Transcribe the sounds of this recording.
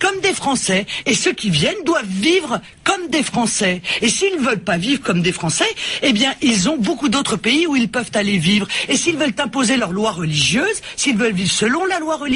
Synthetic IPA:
kɔmd̪efχɑ̃sɛesøkʲivjɛnd̪wavːivʁ | kɔmd̪efχɑ̃sɛesiːlnvœlpavivʁəkɔmd̪efχɑ̃sɛebjɛ̃ʔilzɔ̃bokud̪ot̪χəpeiuilpœvt̪alevivʁesiːlvœlt̪ɛ̃pozelœʁlwaʁəliʒjøːzsiilvœlvivʁsəlɔ̃lalwaʁəli

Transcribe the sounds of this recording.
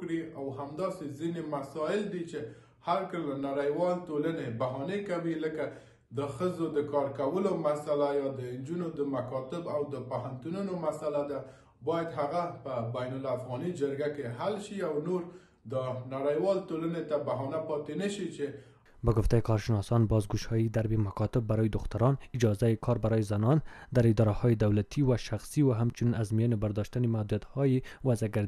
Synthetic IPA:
kɽiawhamd̪ɑsezinemasɑjɪld̪it͡ʃe | haɾkəlnaɾajwɑlt̪olanebaɦɑnekawiləka | d̪əxəzod̪əkɑɾkawəlomasalajɑd̪ənd͡ʒunod̪əmakɑt̪ɪbawd̪əpaɦant̪ununomasalad̪a | bɑjad̪ɦaɣapəbajnʊlafɣɑnid͡ʒəɾɡakeɦalʃiawnoɾ | d̪ənaɽajwɑlt̪olanet̪abaɦɑnapɑt̪enaʃit͡ʃe | baɡʊft̪ajikʰɔɾʃɪnɔsɑnbɔzɡuʃɑjid̪aɾbimakɑt̪ɪbːaɾɔjd̪ʊxt̪aɾɑnɪd͡ʒɑzajikʰɔɾbaɾɔjizanɔnd̪aɾɪd̪ɒɾahɔjɪd̪awlat̪ʰiwaʃaxsiwaɦamt͡ʃuninazmijɔnɪbaɾd̪ɔʃt̪animad̪ujat̪hɔjiwazaɡaɾd̪

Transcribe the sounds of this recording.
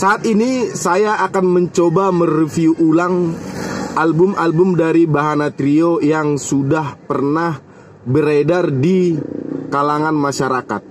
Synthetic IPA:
saːt̪inisajaʔakanməɲt͡ʃobamərifiuʔulaŋ | ʔalbʊmalbʊmdaɾibaɦanat̪ɾiojaŋsudahpərnah | bəɾedardi | kalaŋanmaʃaɾaka̰t̪̚

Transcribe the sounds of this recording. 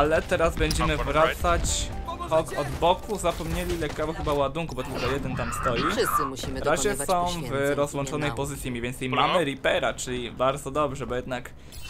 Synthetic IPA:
alɛt̪ɛɾazbɛɲd͡ʑɛmɘvɾatt̪sat͡ɕxɔkʰɔd̪bɔkuzapɔmɲelʲilɛkːavɔxɘbawad̪uŋkubɔt̪ulkɔjɛd̪ɛnt̪amst̪ɔjivɾaʑɛsɔ̃w̃vɾɔzwɔnt͡ʂɔnɛjpɔzɘt̪sʲjimʲivjɛnt̪simamɘɾipɛɾat͡ʂɘlʲibaɾd̪zɔd̪ɔbʐɛbɔjɛd̪nak

